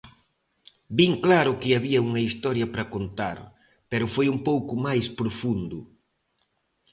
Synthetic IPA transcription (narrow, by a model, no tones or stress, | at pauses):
biŋklaɾʊkɪaβiɐuŋɐist̪ɔɾjɐpɾɐkont̪a̰ɾ | pɛɾʊfojumpowkʊmajspɾofund̪ʊ